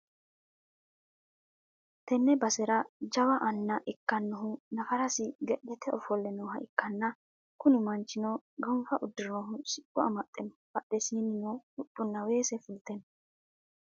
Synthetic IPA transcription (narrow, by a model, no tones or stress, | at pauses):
t̪ɛnːɛbɐsɛɾɐd͡ʒɐwɐʔɐnːɐʔɛkːɐnːɔɦʊnɐfɐɾɐsɪɡɛɗɛt̪ʰɛɔfɔlːɛnɔwɦɐʔɪkːɐnːɐ | kʊnɪmɐnt͡ʃːɪnɔɡɐmfɐʔʊd̪ːɪɾnɔɦʊsɪʔʼʊɐmɐt̪ʼːɛnbɐɗːɛsiːnɪnoʊɗːʊnːɐwe̞ːsɛfʊlt̪ɛn